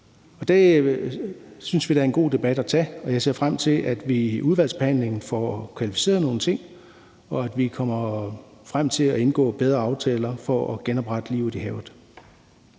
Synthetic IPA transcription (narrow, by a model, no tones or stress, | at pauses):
ɒ̽d̥æ | synsʋiɾæɐe̝nɡ̥o̝̰ːd̥e̝b̥æd̥æt͡sʰɛ̰ɒ̽jɑɪse̝ɐ̰fʁam̰t͡sʰe̝lʔæd̥ʋiuð̞ˠʋæl̰sb̥ehæn̰le̝ŋn̩fɒ̰kʰʋælifi̥se̝̰ːɐðˠno̝ːn̩t͡sʰe̝ŋ̰ | ɒ̽æd̥ʋikʰɒm̰ɐfʁam̰t͡sʰe̝læe̝nɡ̥ɔ̰̽ːb̥eðˠʁɐɑ̈ʊt͡sʰɛːlɐfɒ̽ːɡ̥enɒ̽b̥ʁɑ̈d̥əliʊ̰ihɛːʊð̩ˠ